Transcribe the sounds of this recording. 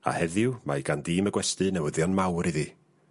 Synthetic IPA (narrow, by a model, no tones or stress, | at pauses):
a̰hɛðɪʊmaɡandiːməɡwɛstɨnɛwəðjɔnmawɾiði